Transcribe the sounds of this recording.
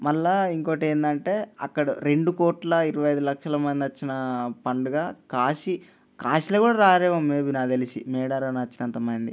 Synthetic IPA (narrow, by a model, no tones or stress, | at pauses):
mɐlːaːiŋkoːʈe̞ːnd̪ɐɳʈe̞ːɐ̰kːɐɽɐɾe̞ɳɖukoːʈlɐiɾɐʋɐjɐjd̪ulɐkʂɐlɐmɐnd̪ɐt͡ʃːinɐpɐɳɖuɡaːkaːʃi | kaːʃilɐːkuːɽaːɾaːɾeːʋɐmeːbinaːd̪elisimɛːɽaɾɐnɐt͡ʃːinɐnt̪ɐmɐnd̪ḭ